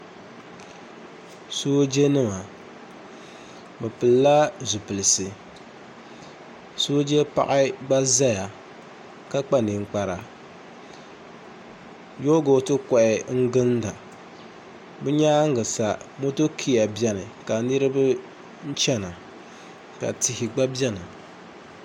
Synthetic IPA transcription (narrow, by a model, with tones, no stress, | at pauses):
soː˦d͡ʒe˦nɨ˦ma˨ | bɨ˨pɨ˨lla˦zʊ˨pɨ˨lɨ˨sɨ˨ | soː˦d͡ʒe˦pa̰˦ʔɪ˦ɡ͡ba˦za˦ja˨ | ka˦k͡pa˦nɨ˨ŋ͡m̩˦˨k͡pa˨ɾa˨ | jo˦ɡo˦tɨ˦kɔ˨ʔɪ˨ŋ̩˦ɡɨ˦nda˨ | bɨ˦ɲaː˦ŋ˦ɡɨ˨sa˨mo˦to˦kʰi˦ja˨bjɛ˦nɨ˨ka˨nɨ˦ɾɨ˦bɨ˦ | n̩˦t͡ʃɛ˦na˨ | ka̰˨ti˨hɪ˨ɡ͡ba˦bɛ˦na˨